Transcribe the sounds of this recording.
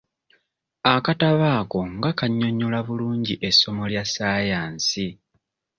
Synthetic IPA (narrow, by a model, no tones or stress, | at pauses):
akataβaːko̞ŋɡakaɲːo̞ɲːulaβuluːɲɟiʔe̞so̞mo̞ljasaːjaːnsi